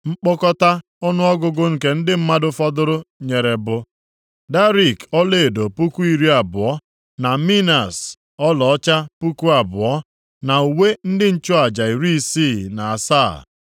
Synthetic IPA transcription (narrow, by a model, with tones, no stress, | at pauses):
ŋ͡m̩˦k͡pɔ˦kɔ˦ta˦ | ɔ˦nʊ˦ɔ˦ɡʊ˦ɡʊ˦ŋ̩˨ke˨n̩˦dɪ˦m̩˦ma˦dʊ˦fɔ˦dʊ˦ɾʊ˦ɲe˨ɾe˨bʊ˦ | da˦ɾi˨kɔ˦le˨do˨pu˦ku˦i˦˨ɾi˦a˨bʊ˨ɔ˦ | na˨mi˦na˨s | ɔ˦lɔ˨ɔ˦t͡ʃa˦pu˦ku˦a˨bʊ˨ɔ˦ | na˨u˨we˦n̩˦dɪ˦n̩˦t͡ʃʊ˦a˨d͡ʒa˨i˨ɾi˦i˦siː˦˨na˨a˨sa˦˨